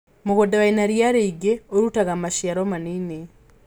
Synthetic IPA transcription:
moɣodaβainaɾjaɾeiɡeoɾutaɣamaʃiaɾɔmaneːne

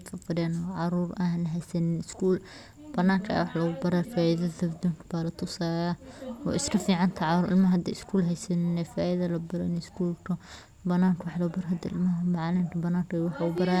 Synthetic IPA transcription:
kʰɐfɐdɛnɔʕɑɾuːrɐhnɦɛjsɐnɪnɪskʰuːl | b̥ɐnaːŋkʰɐ̰wɑħlɐɣʊbɐɾaːfaːɪðɐɐbd̪uːŋkʰɐbaːlɐt̪ʰʊsaːjaɔ̰ːʔɪskʰɐfiːʕɑnt̪ʰɐʕɑɾuːʔɪ̰lmɐɦɐd̪ɛ̰ɪskʰuːlɦɛjsɐnɪnɛfaːʔɪðɐlɐbɐɾɐ̰nskʰuːlkʰɐ | bɐnaːŋkʰwɑħlɐɣʊbɐɾaɦɐd̪ɪ̰lmɐɦɐmɑʕlɪmkʰɐbɐnaːŋkʰɐwħɣʊbɐɾaː

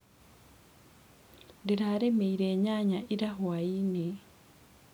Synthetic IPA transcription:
diɾaːɾemeiɾeːɲaːɲaʔiɾaɦwaine

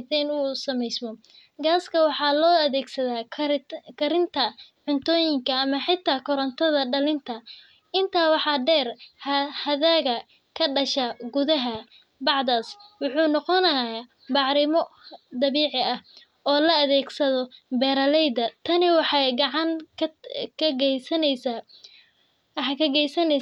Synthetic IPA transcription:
t̪ɛnuːsɐmɛjsmɔ | ɡaːskʰɐwɑħɑːlɔːɐðɛːɡsɐðaː | kʰɐɾɪnt̪ʰɐʕʊnt̪ʰɔːjɪŋkʰɐːmɐħɪt̪ʰːaːkʰɔɾɐnt̪ʰɐðɐɖɐlɪnt̪ʰɐ | ɪnt̪ʰaːwɑħɑːɖɛːrhhɐðaːɣɐ | kʰɐɖɐʃaɡʊðɐɦɐ | bɑʕdaːswʊħuːnɔqɔnɐja | bɑʕɾɪmɔd̪ɐβiːʕɪɐh | ɔːlɐɐðɛːɡsɐðɔbɛːɾɐlɛjd̪ɐt̪ʰɐnɪwɑħɑɡɑʕɑŋ | kʰɐɡɛsɐn | ħkʰɐɡɛjsɐnɛ

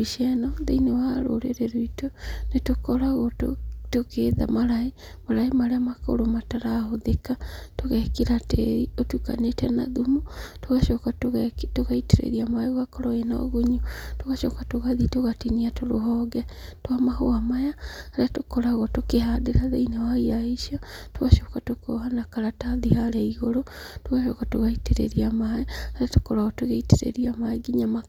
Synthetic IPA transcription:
iʃanɔðeinewaɾo̰ɾeɾeɾoitonetokɔɾaɣɔto̰tokʰeða̰maɾae | maɾaemaɾeamako̰ɾomataɾaɦoðekatoɣɛkeɾatḛiotuka̰netɛna̰ðumutoɣaʃɔkatɣtoɣaiteɾḛɾiamaewakɔɾɔena̰ɣuɲutoɣaʃɔ̰katoɣaðitoɣatiniatoɾoɦɔɡɛtowamahoamajahaɾjatokɔɾaɣɔtokehadeɾaðeinawaiɾaiʃiɔtoɣaʃokatokoːhanakaɾataðihaɾeiɣoɾotoɣaʃɔkatoɣaiteɾḛɾiamaɛhaɾatokɔɾaɣɔtoɣeiteɾḛɾiamaeɡiɲama

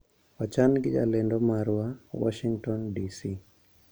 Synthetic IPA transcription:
wat͡ʃanɡɪd͡ʒa̰lɛndɔmaɾwawɔ̰ʃiŋtɔndisi

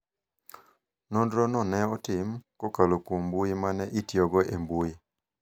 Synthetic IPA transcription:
nondɾɔnɔnɛɔtɪmkɔkalokombuimanɛʔitjɔɡɔʔembuji

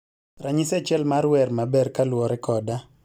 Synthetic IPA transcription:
rʔaɲɪsɛt͡ʃɛlmaɾwɛrmabɛrkalwɔɾɛkɔda

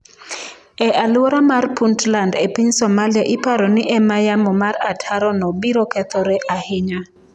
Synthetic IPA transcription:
ɛʔalɔɾamarpuntlandepiɲsɔmaliaʔɪpaɾɔnɪʔɛmajamɔmaratʰaɾɔnɔbiɾɔkɛt̪ɔɾɛʔahɪɲa

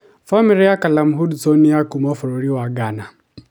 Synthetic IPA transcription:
famiɾijakalam̩ɦudt͡sɔniakumɔfɔɾoɾiwaɡana

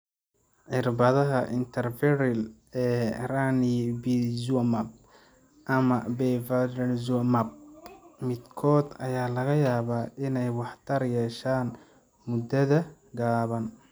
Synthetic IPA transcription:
ʕɪrbɐðɐɦɐʔɪnt̪ʰɐrfɪɾɪl | ɛːranibizumɐb̚ | ʔɐmɐbɛvadɐnzumɐb̚mɪd̪kʰɔːd̪ɐ̰jaːlɐɣɐjaːβaːʔɪnɛjwɑħt̪ʰɐrjɛːʃaːn | mʊd̪ɐðɐ | ɡaːβɐn

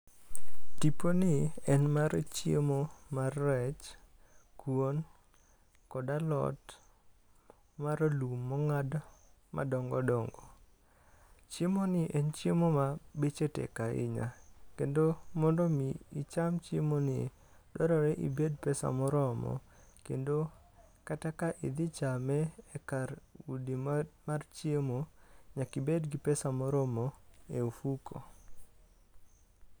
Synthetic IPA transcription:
tiponɪɛnmaɾt͡ʃjḛmomarːɛt͡ʃ | kwon | kɔdalɔ̰t | maɾolumːɔŋadmʔa̰dɔŋɡɔdɔŋɡɔ | t͡ʃemonɪʔɛnt͡ʃjemomabet͡ʃetɛ̰kaʔɪ̰ɲa̰kendomɔndɔmiit͡ʃamt͡ʃemonɪ | dɔɾɔɾɛʔḭbedpɛsa̰mɔɾɔmɔ̰ | kḛndo | katakaʔɪd̪ɪt͡ʃamɛːkaɾudimart͡ʃiemoɲakibedɡɪpɛsamɔɾɔmɔeufukʰo̰

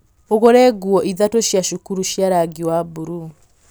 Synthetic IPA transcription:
oɣoɾɛɡuɔʔiðatoʃjaʃukuɾuʃjaɾaɡiwabuɾu

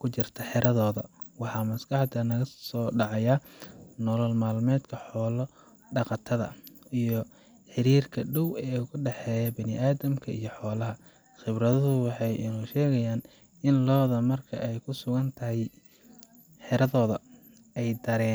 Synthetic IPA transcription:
kʰʊt͡ʃɪrt̪ʰɐħɛɾʔɐðɔːðɐ̰ | wɑħɑːmɐsɡɑħd̪ɐnɐɣɐsɔːɖɑʕɑjaːnɔlɔlmaːlmɛːd̪kʰɐħɔːlɔ | ɖɑqɑt̪ʰɐðɐ̰ijɞ | ħɪɾiːrkʰɐɖɔwɛːʊɣʊɖɛħɛːjɐbɐnɪʔaːðɐmkʰɐʔḭjɞħɔːlɐɦɐ | χɪβrɐðɐðʊwɑħɑjʔɪnuːʃɛːɣɐjaːn | ɪnlɔːðɐmɐrkʰɐ̰ʔɛjkʰʊsʊɣɐnt̪ʰɐɦɛj | ħɛɾɐðɔːðɐ | ɛjd̪ɐɾɛːn

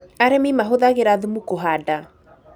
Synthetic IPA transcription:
aɾɛmimaɦoðaɣeɾaðumukoɦada

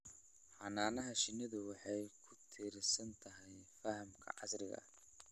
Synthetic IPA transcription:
ħɑnaːnɐɦɐʃɪnɪðʊwɑħɑjkʰʊt̪ʰiːɾɪsɐnt̪ʰɐɦɛjfɐhɐmkʰɐ̰ʕɑsɾɪɣɐ̰

